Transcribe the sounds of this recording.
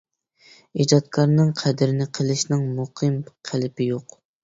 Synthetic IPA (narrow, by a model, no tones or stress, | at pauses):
id͡ʒɑt̪̚kʰɑɾnɨŋqʰɛd̪ɪɾɪnɪqʰəlˠɪʃnɪŋmuqʰɨmqʰælɪpɪjoq